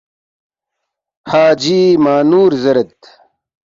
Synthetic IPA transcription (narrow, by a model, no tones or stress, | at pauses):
haːd͡ʑiːmaːnuːɾzɐɾɐt̪̚